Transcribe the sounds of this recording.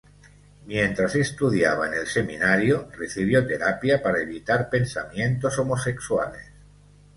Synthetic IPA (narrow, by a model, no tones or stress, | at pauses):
mjẽ̞nt̪ɾasest̪uðja̰β̞aenelseminaɾjoreθiβ̞jot̪e̞ɾapjapaɾaeβit̪aɾpe̞nsa̰mje̞nt̪o̞so̞mose̞kswa̰lḛs